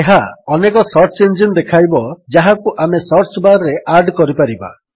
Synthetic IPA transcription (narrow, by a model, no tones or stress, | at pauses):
eɦaɔnekɔsɔɾt͡ʃend͡ʒind̪ekʰajbɔd͡ʒaɦakuʔamesɔɾt͡ʃbaɾɾeʔaɾɖkɔɾipaɾiba̰